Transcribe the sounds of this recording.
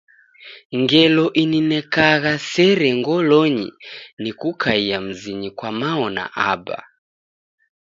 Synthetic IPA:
ŋɡɛlɔʔininɛkaɣasɛɾɛŋɡɔlɔɲḭnikukʰaiam̩ziɲikwamaɔna̰ʔaba̰

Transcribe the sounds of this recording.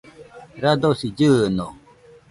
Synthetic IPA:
ɾad̪osid͡ʑɯno

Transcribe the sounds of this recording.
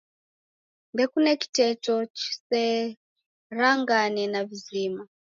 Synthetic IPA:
ndɛkunɛki̥tɛtɔt͡ʃi̥sɛ | ɾaŋɡanɛnavizima

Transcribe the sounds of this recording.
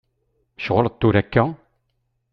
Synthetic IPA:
ʃʁələt̪ːuɾækːæ

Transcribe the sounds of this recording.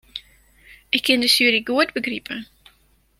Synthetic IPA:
ʔɪkʰːɪndəsyəɾiɡuət̚bəɡripʰə

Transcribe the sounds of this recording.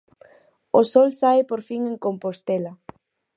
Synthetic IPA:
osɔlsaɪpoɾfiŋẽŋkompost̪elɐ

